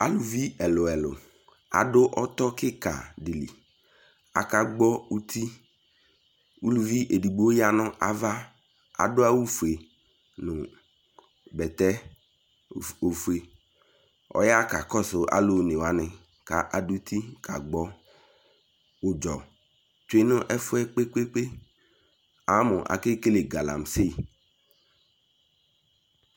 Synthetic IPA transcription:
a˨lu˨vi˦ɛ˨lʊ˨ɛ˨lʊ̰˨ | a̰˨dʊ˦ʔɔ˦t̪ɔ˦kɪ˦ka̰˨di˨lḭ˨ | a̰˨ka˨ɡ͡bɔ˦u˦t̪ʰi˦ | u˦lu˨vi˦ʔe˨di˨ɡ͡bo˦ja˦nʊ̃˦ʔa˨va˦ | a̰˨dʊ˦a˦wu˦fu˨e˨ | nʊ˨ | bɛ˨t̪ɛ˦˨ | o˨fu˨e˨ | ɔ̰˨ja˦ka˨kɔ˦sʊ˨a̰˨lʊ˨nɪ̃˨wa˨nɪ̃˨ | ka˨ʔa˨du˦t̪ʰi˦kʰa̰˨ɡ͡bɔ˨ | ʊ˨d͡ʒɔ˨ | tʊ˦e˦nʊ̃˦ʔɛ˦fʊ˦ɛ˦k͡pe˦k͡pe˦k͡pe˦ | a˨˦mʊ̃˨ʔa̰˨ke˦ke˦le˨ɡa˨la̰˨m˨se˦˨

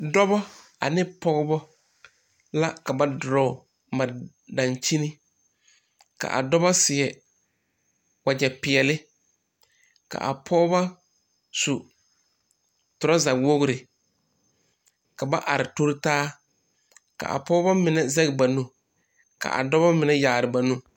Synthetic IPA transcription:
dɔ˦bɔ˦ | a̰˨nɪ˦pɔ˦ɣbɔ˦ | la˦ka˨ba˦dʊ˨ɾɔ˨ | ma˨ | da˨nt͡ʃi˦ni˦ | ka̰˨ʔa̰˨dɔ˦ba˦sɪ˨ɛ˨ | wa˨d͡ʒɛ˨pɪ˨ɛ˨lɪ˦ | ka̰˨ʔa̰˨pʰɔː˦ba˦ | su˨ | tʊ˨ɾa˦za˨wo˦ɣʊ˦ɾɪ˨ | ka˨ba˦ʔa˨ɾɪ˨to˦ɾɪ˦taː˦ | ka̰˨ʔa̰˨pɔ˦ba˦mɪ˨nɛ˦zɛ˦ɣɪ˨ba˨nũ˦ | ka̰˨ʔa̰˨dɔ˦βa˦mɪ˨nɛ˦jaː˨ɾɪ˨ba˨nũ˦

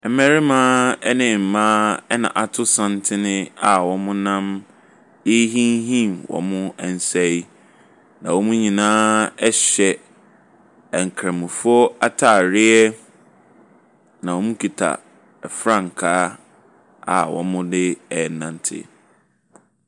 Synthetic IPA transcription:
ɛ˨˦mɛ̃˦ɾɪ˦mãː˦ɛ˦nɪ̃˨m̩˨mãː˦ɛ˦nã̰˨ʔa˨tʰʊ˦sã˦ntʰɪ˦nɪ̃˦a˨wɔ̃˨mʊ̃˦nã˦m | e˦ɦĩ˦nɦĩ˦˨mwɔ̰̃˨mʊ̃˦ɛ˨n̩˨sɛ˦i˦ | nã˨wɔ˦mʊ̃˦ɲĩ˨nãː˦ɛ˦ɕɛ˨ | ɛ˨ŋ̩˨kʰɾa˨mʊ̃˨fʊ˦ɔ˦a˦tʰa˨ɾɪ˦ɛ˦ | nã˨wɔ˨mʊ̃˦kʰi˨tʰa̰˨ | ɛ˨fɾã˦ŋ̩˨kʰaː˦ | a̰˨wɔ̰̃˨mʊ̃˦dɪ˦ɛ˨nã˨ntʰɪ̰˦

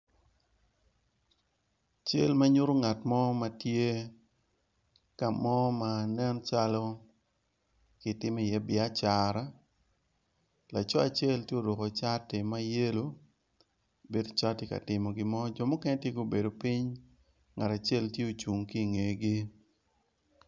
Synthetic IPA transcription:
t͡ʃe˦lma˦ɲo˦ɾo˦ŋa˨tmɔ˦ma˦tje˦ | ka˨mɔ˦ma˨nɛ˦nt͡ʃa˦lɔ˦ | kɪ˨tɪ˦me˦˨jɛ˦bɪ˨a˦t͡ʃa˨ɾa˦ | la˨t͡ʃɔ˦a˨t͡ʃɛ˦˨ltje˦o˨dɔ˨ko˨t͡ʃa˦tɪ˨ma˦je˦lo˦ | be˦do˦t͡ʃa˦tɪ˨ka̰˨tɪ˨mɔ˨ɡɪ˦mɔ˦d͡ʒɔ˨mɔ˦kɛ˦nɛ˦tje˦ɡo˦˨be˨do˨pi˦ɲ | ŋa˨ta˨t͡ʃɛ˦˨ltje˦o˨t͡ʃu˨ŋki˦˨ŋe˨ɡi˦

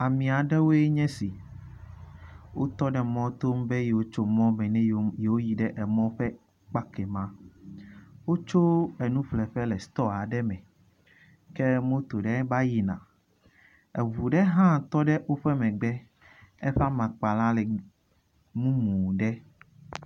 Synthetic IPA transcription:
a˨mĩ˨a˨ɖɛ˦wo˦e˦ɲɛ̃˦si˨ | wo˦t̪ɔ˦ɖɛ˨mɔ̃˦t̪o˦m˦be˦je˨wo˦t͡ʃo˦mɔ̃˦mɛ̃˨nɛ̃˦je˨wo˦ji˨ɖɛ˦ʔɛ˨mɔ̃˦ɸɛ˦ | k͡pa˦kɛ˨mã˦ | wo˦t͡ʃo˦ɛ˨nũ˦ɸlɛ˨ɸɛ˦lɛ˨st̪ɔ˦a˨ɖɛ˦mɛ̃˨ | kɛ˦mõ˦t̪o˨ɖɛ˦ba˦ji˦nã̰˨ | ɛ˨vu˨ɖɛ˦ɦã˦t̪ɔ˦ɖɛ˦wo˦ɸɛ˦mɛ̃˨ɡ͡bɛ˦ | ɛ˦ɸa˦mã˨k͡pa˨lã˦lɛ˨ | mũ˦mũ˨ɖɛ˦

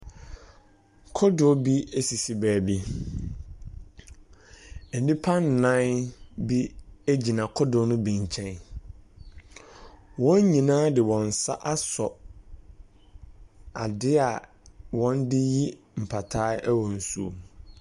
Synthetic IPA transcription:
kʰɔ˦dʊ˨˦bi˦e˦si˨si˨bæː˨bi˦˨ | dĩ˦pʰa˦n̩˨nã˦bi˦æ˦d͡ʑi˨nã˨kʰɔ˦dʊ˨˦nʊ̃˦bĩ˨ɲ˨t͡ɕʰɛ̃˦n | wɔ̃˦ɲ˦ɲĩ˨nãː˦dɪ˨wɔ̃˨n̩˨sa̰˦ʔa˦sɔ˨ | a̰˨dɪ˦a˨ | wɔ̃˦ndɪ˦ji˦ | m̩˨pʰa˨tʰaː˦ʔæ˦wɔ̃˨n̩˨su˦o̰˨

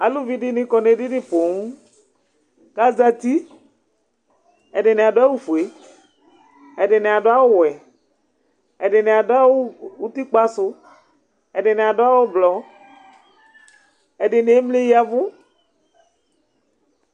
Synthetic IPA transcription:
a˨lu˦vi˦ɖɪ˦nɪ̃˦kɔ˨ne˨ɖi˦ɖɪ˦po˨ŋu˦ | ka˦za˦t̪i˦ | e˨ɖe˨ne˨a˨ɖo˦a˦wu˦fu˨e˨ | e˨ɖɪ˨ne˨a˨ɖo˦a˦wo˦wɛ˨ | ɛ˨ɖɪ˨ne˨a˨ɖo˦a˦wo˦wu˦t̪i˦k͡pa˦sʊ˦ | e˨ɖɪ˨ne˨a˨ɖo˦a˦wo˦blɔ˨ | e˨ɖɪ˨ne˨˦e˦mle˦ji˦a˨vʊ˦

